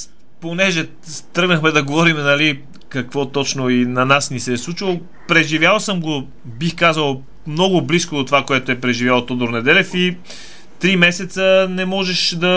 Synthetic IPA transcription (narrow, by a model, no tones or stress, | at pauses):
ponɛʒɛ | t̪ɾɤɡnəxmɛd̪ɐɡovɔɾimnɐli | kɐkvɔt̪ɔt͡ʃnoinɐnasnisɛslˠut͡ʃəlˠ | pɾɛʒivjalˠsəmɡo | bixkazəlˠ | mnɔɡʊbliskoot̪ovakoɛt̪oɛpɾɛʒivjalˠt̪od̪oɾnɛd̪ɛlɛfi | t̪ɾimɛsɛt̪sənɛmɔʒɛʃd̪ɐ